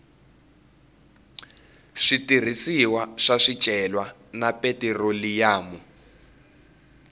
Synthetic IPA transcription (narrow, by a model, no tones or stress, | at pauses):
ʂitir̤isiwaʂaʂi̥t͡ʃʼɛlwa | napetɛrolijaːmu